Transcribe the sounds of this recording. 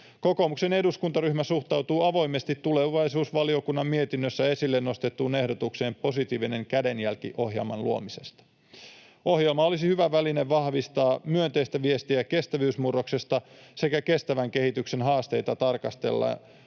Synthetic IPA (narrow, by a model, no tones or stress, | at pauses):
ko̞ko̞mukse̞ne̞duskunt̪ɑryhmæsuht̪ɑuwt̪uːɑʋo̞ime̞st̪it̪ːule̞ʋɑjsuːsʋɑlio̞kunːɑmːmiet̪inːøsːæe̞silːenːo̞st̪et̪ːuːne̞hdo̞t̪ukse̞ːmpo̞sit̪iːʋine̞ŋkæde̞njælkḭʔo̞hjḛlmɑ̰nluomise̞st̪ɑ̥ | o̞hjelmɑo̞lisihyʋæʋæline̞ʋʋɑhʋist̪ɑːmyønt̪eist̪æʋie̞st̪iæke̞st̪æʋyːsmurːo̞kse̞st̪ɑse̞kæke̞st̪æʋæŋke̞hit̪ykse̞nɦɑːst̪e̞̰jt̪ɑt̪ɑrkɑst̪e̞̰lːɑ̰